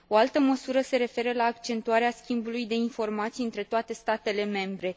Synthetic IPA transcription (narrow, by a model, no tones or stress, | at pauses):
o̞alt̪əməsuɾəse̞ɾe̞fe̞ɾəlaːkt͡ʃe̞nt̪uaɾeaskʲimbulujd̪e̞info̞rmat̪sijɨnt̪ɾe̞t̪oat̪e̞st̪at̪e̞le̞me̞mbɾe̞